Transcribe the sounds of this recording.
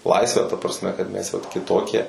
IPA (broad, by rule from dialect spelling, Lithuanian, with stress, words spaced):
ˈlˠɐɪsʲʋʲæː tɐ prɐsʲˈmʲɛ kɐt mʲɛs jɛʊ kʲɪˈtoːkʲiɛ